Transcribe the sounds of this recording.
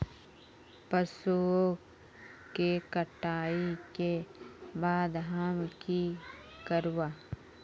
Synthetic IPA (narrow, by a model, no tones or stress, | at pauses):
pəsuo | kekəʈaːikebaːd̪ɦaːmki | kəɾwaː